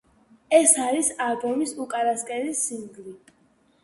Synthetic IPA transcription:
ɛsaɾisabɔmisukʼaɾaskʼɛɾisiŋɡli

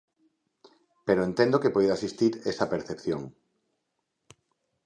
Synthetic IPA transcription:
peɾoẽnt̪ẽnd̪okepojðasist̪iɾesɐpeɾθepθjoŋ

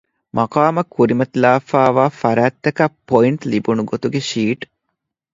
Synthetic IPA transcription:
mʔɐqaːmɐkʰːuɾimɐt̪laːfaːʋaːfɐɾaːt̪ːɐkɐpːoiɳʈlibunuɡot̪uɡeʃiːʈ

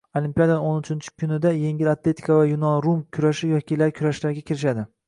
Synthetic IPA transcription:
olimpʲijad̪anonʊt͡ʃʰɪnt͡ʃʰɪ̥kʲʰʊnɪd̪aje̞ŋʲɪlat̪le̞t̪ʰɪ̥kʰavajʊnɒnɾumkʲʰʊɾaʃɪjɒkʲilaɾkʲʰʊɾaʃlaɾɡʲakʲʰɪɾɪʃad̪ɪ

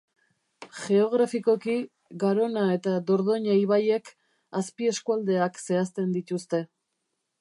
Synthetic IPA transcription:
ʝe̞o̞ɣ̞ɾafiko̞ki | ɣaɾo̞nae̞t̪ad̪o̞ɾðo̞ɲeiβaje̞k | aspie̞skuald̪e̞akse̞ast̪e̞nd̪it̪ust̪e̞

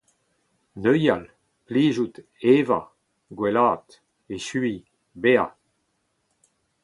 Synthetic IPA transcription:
nøjal | pliːʒut | eva̰ | ɡwɛlaːt̪ | eʃyi | bea

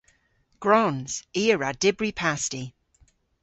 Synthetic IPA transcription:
ɡ̥ɹɔnz̥iːəɹad̥ɪbɹipʰasti

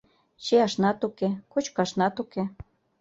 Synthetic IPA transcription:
t͡ɕeɑʃnɑt̪ukekot͡ɕkɑʃnɑt̪uke

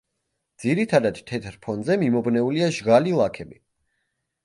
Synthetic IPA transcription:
d̪z̥iɾit̪ʰad̪ad̪̥t̪ʰːɛt̪ʰɾpʰɔnzɛmimɔbnɛuliaʒɡalilˠakʰɛbi

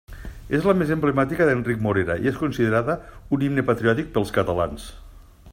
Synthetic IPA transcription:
ezləmezemblemat̪ikəðenrik̚moɾeɾa̰ḭeskunsiðeɾaðəunimnepat̪ɾiɔt̪ik̚pəlˠskət̪əlans

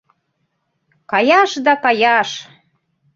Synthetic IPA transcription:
kɑjɑʃd̪ɑkɑjɑʃ

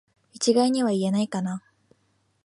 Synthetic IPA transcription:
it͡ɕiɡaiɲ̟iβaie̞naikana

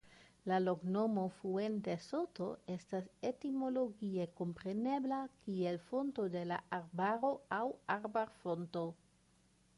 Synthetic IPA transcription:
lalo̞kno̞mo̞fue̞nteso̞to̞e̞stase̞timo̞lo̞ɡie̞ko̞mpɾe̞ne̞blakie̞lfo̞nto̞de̞la̰ʔaɾbaɾo̞awaɾbaɾfo̞nto̞

